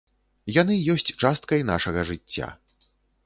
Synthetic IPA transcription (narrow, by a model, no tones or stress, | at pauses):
janɨjɔsʲt͡sʲt͡ʂast̪kɐjnaʂɐɣɐʐɨt͡sʲːa̰